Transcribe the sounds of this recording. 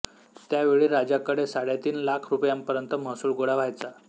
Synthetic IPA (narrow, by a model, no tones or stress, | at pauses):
t̪jaʋeɭiːɾad͡ʑakəɽesaɽjat̪iːnlakʰɾupjampəɾjənt̪əməsuːlɡoɽaʋajt͡sa